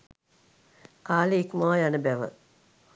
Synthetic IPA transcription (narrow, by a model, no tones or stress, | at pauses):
kaːleikmaajanəbæʋə̰